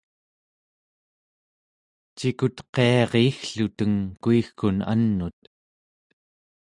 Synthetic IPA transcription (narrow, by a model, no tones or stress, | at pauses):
t͡ʃikut̪qe̞ɑʁeːxɬut̪əŋkuixkuna̰nːut̪